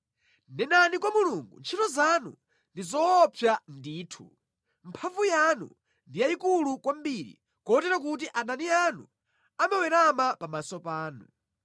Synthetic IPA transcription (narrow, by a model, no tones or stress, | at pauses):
nɛnanikwamuluŋɡṵnt͡ʃʰitɔzanṵ | ndizɔɔpʰjandiːtʰu | m̩pʰavujanṵ | ndijaikulukwambiːɾḭ | kɔɔtɛɾak̬ut̬iʔananianu | amawɛɾamapamasɔpaːnu